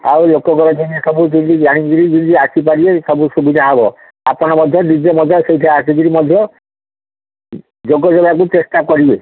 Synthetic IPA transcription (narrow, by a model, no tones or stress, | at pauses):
a̰ulokɔɡɔɾɔd͡ʒiniesɔbukint̪iɡaɽ̃iɡiɾikint̪iasipaɾiesɔbusubid̪ʱaɦɔbɔ̰ | apɔɽ̃ɔmɔd̪ʱjɔnid͡ʒemɔd͡ʒasejʈʰaasiɡiɾimɔd̪ʱjɔ | d͡ʒoɡɔd͡ʒɔbak̬ut̪esʈakɔɾibe